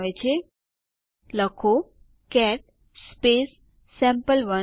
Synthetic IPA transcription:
ʋet͡ʃʰe | ləkʰo | kɛʈ̚ | spesː | ɛ̃mpəlʋə

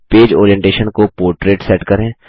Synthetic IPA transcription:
peːd͡ʒo̰ːɾijɛ̃ɳʈeːʃənkopoːɾʈɾeːʈsɛːʈkɐɾẽː

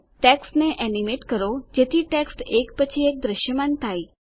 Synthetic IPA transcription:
ʈɛksʈneʔɛnimeʈkəɾod͡ʒet̪ʰiʈɛksʈekpət͡ɕʰiek̚d̪ɾəʃjəmant̪ʰaj

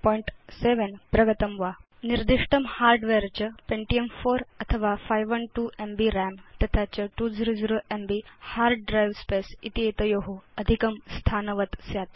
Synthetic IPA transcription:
pɔjiɳʈseʋenpɾɐɡət̪ɐmʋa | niɾd̪iʂʈɐmhaːɾɖʋeɾt͡ɕɐpẽɳʈiemfoɾɐt̪ʰəʋafajʋəɳʈuʔembiɾɛmt̪ɐt̪ʰat͡ɕɐʈud͡ziɾod͡ziɾoʔembihaɾɖɖɾajʋspesḭt̪iet̪ɐjoɦuɐd̪ʱikɐmst̪ʰaːnəʋət̪sjat̪

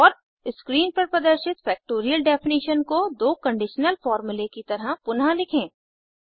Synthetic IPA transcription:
ɔːɾ | skɾiːnpɐɾpɾɐd̪əɾʃɪt̪fɛːk̚ʈoːɾijəlɖɛːfɪniːʃənkod̪oːkɐ̃ɳɖɪʃnəlfɔːɾmʊlekit̪ɐɾapʊnɦalɪkʰẽː

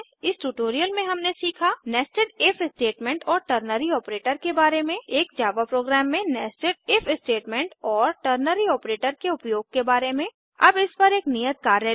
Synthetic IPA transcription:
ɪsʈuʈoːɾijəlmẽɦɐmnesiːkʰanɛːsʈəɖɪfʰɪsʈeːʈmẽɳʈɔːɾʈəɾnəɾiɔːpɾeːʈəɾkebaːɾemẽeːk̚d͡ʒaːʋapɾoːɡɾɛːmːẽnɛːsʈɪɖ̚ɪfʰɪsʈeːʈmẽɳʈɔːɾʈəɾnəɾiɔːpɾeːʈəɾkeʊpjoːɡ̚kebaːɾemẽ | ɐ̰bɪspɐɾeːknijət̪̚kaːɾəɦ

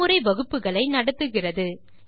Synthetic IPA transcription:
ɯɾɐɪʋɐɣɯpːɯɣɐɭɐɪnɐɽɯt̪ːɯɣɪrɐðɯ

